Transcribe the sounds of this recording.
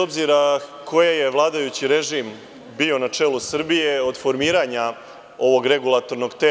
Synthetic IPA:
o̞bziɾakʰo̞jeje̞ʋlˠaːd̪ajut͡ɕiɾe̞ʒim | bio̞nat͡ʂeːlˠusr̩bije̞o̞d̪fo̞ɾmiːɾaːɲa | o̞ʋo̞ɡɾe̞ɡulˠat̪o̞ɾno̞ɡt̪e

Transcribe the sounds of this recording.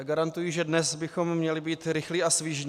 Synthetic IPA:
ɡaɾant̪ujiʒɛdnɛsbɪxo̞mmːɲɛlɪbiːt̪ɾɪxliːʔasvɪʒnː

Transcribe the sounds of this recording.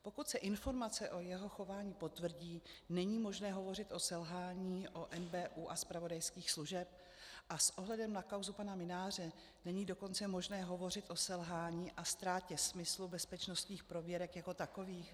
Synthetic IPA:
po̞kut̪sɛʔɪnfo̞ɾmat͡sɛʔo̞jɛɦo̞xo̞vaːɲiːpo̞t̪vr̩ɟiːnɛɲiːmo̞ʒnɛːɦo̞vo̞rɪt̪ʔo̞sɛlɦaːɲiːʔʔoʔɛnbɛːʔuːʔaspɾavo̞dajskiːxsluʒɛp̚ | ʔasʔo̞ɦlɛdɛmnakawzupanamɪnaːr̝ɛ | nɛɲiːdo̞ko̞nt͡sɛmo̞ʒnɛːɦo̞vo̞r̝ɪt̪ʔo̞sɛlɦaːɲiːʔast̪ɾaːcɛsmɪslubɛspɛt͡ʃno̞st̪ɲiːxpɾo̞vjɛɾɛkjako̞t̪ako̞viːx

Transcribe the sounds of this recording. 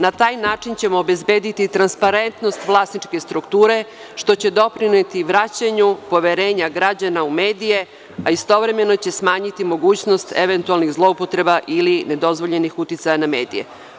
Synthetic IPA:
nat̪aːjnaːt͡ʂint͡ɕe̞mo̞ːbe̞zbe̞ːd̪it̪it̪ɾanspaɾe̞nt̪no̞st̪ʋlˠasnit͡ʃke̞st̪ɾukt̪uːɾe̞ | ʃt̪o̞t͡ɕe̞d̪o̞pɾinet̪iʋɾat͡ɕaɲupo̞ʋeɾe̞ːɲaɡɾad͡ʑanaume̞ːd̪ije̞ | aist̪o̞ʋɾe̞me̞no̞t͡ɕe̞smaːɲit̪imo̞ɡuːt͡ɕno̞st̪e̞ʋe̞nt̪ualˠniɣzlˠo̞upo̞t̪ɾe̞baʔiline̞d̪o̞zʋo̞ʎe̞nixut̪it̪sajaname̞ːd̪ḭje̞̰

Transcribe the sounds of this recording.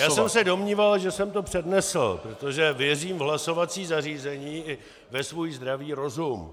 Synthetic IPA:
jaːsɛmsɛdo̞mɲiːvalʒɛsɛmt̪o̞pr̝̥ɛdnɛsl̩pɾot̪o̞ʒɛvjɛriːmvɦlaso̞vat͡siːzariːzɛɲiːʔɪ | vɛsvujizd̪ɾaviːɾo̞zum

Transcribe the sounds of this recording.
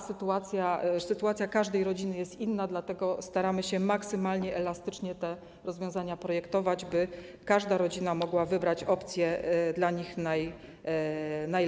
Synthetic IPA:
sɘt̪uat̪sʲjasɘt̪uat̪sʲjakaʐd̪ɛjɾɔd͡ʑinɘjɛst̪inːad̪lat̪ɛɡɔst̪aɾamɘɕɛmaksɘmalɲɛʔɛlast̪ɘ̥t͡ʂɲɛt̪ɛ | ɾɔzvʲjɔ̃w̃zaɲapɾɔjɛkt̪ɔvad͡ʑbɘ | kaʐd̪aɾɔd͡ʑinamɔɡwavɘbɾat͡ɕɔpt̪sʲjɛd̪laɲixnaj | naj

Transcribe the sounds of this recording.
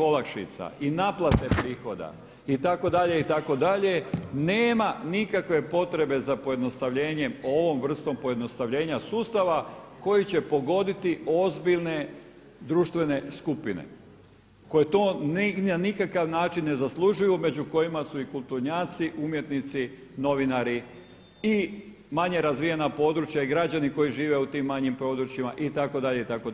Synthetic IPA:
o̞lakʃḭt̪sa̰ʔinaːplˠat̪e̞pɾiːxo̞d̪a̰ | it̪ako̞d̪aʎe̞it̪ako̞d̪aʎe̞neːmanikakʋe̞po̞t̪ɾe̞be̞zapo̞je̞d̪no̞st̪aʋʎe̞ːɲe̞mo̞ʋo̞mʋr̩st̪o̞mpo̞je̞d̪no̞st̪aʋʎe̞ːɲasuːst̪aʋako̞jit͡ɕe̞po̞ɡo̞d̪it̪io̞zbiʎne̞ | d̪ɾuːʃt̪ʋe̞ne̞skupinḛ | ko̞jet̪oːnnanikakaʋnaːt͡ʃinːe̞zaslˠuʒujume̞d͡ʑuko̞jimasuikulˠt̪uɾɲaːt̪siʔumje̞t̪nit̪si | no̞ʋinaɾi | i | maɲe̞ɾazʋijanapo̞ːd̪ɾut͡ʃjaiɡɾad͡ʑaniko̞jiʒiːʋe̞ut̪iːmːaɲimpɾo̞ːd̪ɾut͡ʃjimaʔit̪akod̪aʎeit̪ako

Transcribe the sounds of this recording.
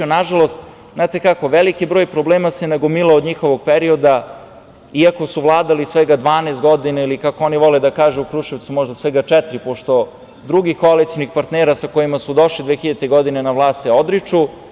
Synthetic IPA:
naʒalˠo̞st̪ | znaːt̪e̞kakoʋelikibɾo̞ːjpɾobleːmasenaɡomilˠaod̪ɲixoʋoɡ̚peɾio̞d̪a | iako̞suʋlˠaːd̪alisʋeɡad̪ʋaːneːst̪ɡo̞d̪inailikakoo̞niʋo̞led̪akaːʒuukɾuːʃeʋt̪sumo̞ʒd̪asʋɛɡat͡ʃɛt̪ɾipoʃt̪o̞ | d̪ɾuɡikoalit̪sinixpaɾt̪neːɾasakojimasud̪o̞ʃlid̪ʋexiʎat̪eɡo̞d̪inenaʋlˠaːst̪eod̪ɾit͡ʂu

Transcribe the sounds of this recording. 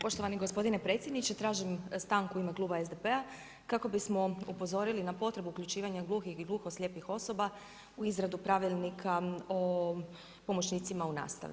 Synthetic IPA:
po̞ʃt̪o̞ʋaniɡo̞spo̞d̪inepɾe̞ːt̪sjed̪nit͡ɕet̪ɾaːʒimst̪aːŋkuimeklˠuːbaezd̪epe̞a | kako̞bismo̞upo̞zo̞ɾilinapo̞t̪ɾe̞buːkʎut͡ʃiːʋaɲaɡlˠuːxixiɡlˠuːxosʎʲe̞ːpixo̞so̞ba | uizɾad̪upɾaʋilˠnikʰao | po̞mo̞t͡ɕniːt̪simauna̰ːst̪a̰ʋi

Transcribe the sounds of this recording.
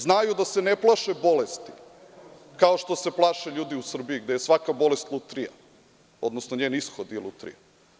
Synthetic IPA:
znajud̪aseneplˠaʃebo̞lest̪i̥ | kaoʃt̪o̞se̞plˠaːʃeʎuːd̪iusr̩bijiɡd̪ejesʋakabo̞lest̪lˠut̪ɾija̰ | o̞d̪nosnoɲeːnisxod̪ilut̪ɾḭja

